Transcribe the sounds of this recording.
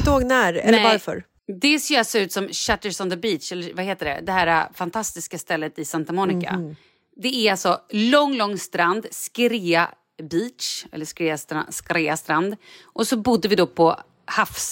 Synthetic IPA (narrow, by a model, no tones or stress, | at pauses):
d̪oːɡnæːɾɛlːaɾfœ̰ɾ | d̪ɛseːɾasɾʉ̟ːt̪sɔmɕat̪əsɔnd̪əbiːt̪t͡ʃɛlːəvaheːt̪əɖɛ̰d̪ɛɦæːɾa̰fant̪ʰast̪ɪskast̪ɛlːət̪ɪsant̪amɔːnɪka̰ | d̪ɛæɾalsɔlɔŋːlɔŋːst̪ɾand̪skɾeːa | biːt̪ʃɛ̰lːəʂkɾeːast̪ɾaskɾeːast̪ɾand̪ʔɔsɔbʊd̪ːəvɪd̪ɔpʰɔ | hafs